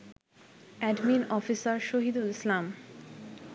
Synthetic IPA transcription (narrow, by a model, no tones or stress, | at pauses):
ɛɖminɔfisaɾʃoɦid̪ulislam